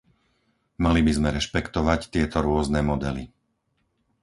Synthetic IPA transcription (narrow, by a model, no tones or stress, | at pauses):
malibizmɛɾɛʃpɛkt̪ɔʋact̪ɪɛt̪ɔɾʊɔznɛmɔd̪ɛli